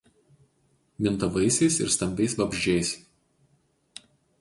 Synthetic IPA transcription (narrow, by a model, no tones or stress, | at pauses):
mʲɪnˑt̪ɐʋɐɪsʲɛɪsɪ̰ɾst̪ɐmʲbʲɛɪsʋɐbʲʒʲd͡ʒʲɛɪs